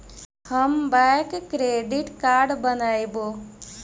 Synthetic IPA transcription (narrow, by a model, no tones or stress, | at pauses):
həmbakkɾeɖiʈkaɾɖbənajbo